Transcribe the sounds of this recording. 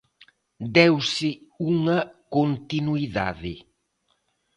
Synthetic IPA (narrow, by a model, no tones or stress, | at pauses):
d̪ɛwsɪuŋɐkont̪inuiða̰ðɪ